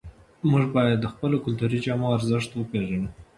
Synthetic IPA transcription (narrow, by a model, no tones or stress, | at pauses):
muʐbɑjad̪ːəxpəlokʊlt̪uɾid͡ʒɑmoaɾzəʃt̪wəpeʒanu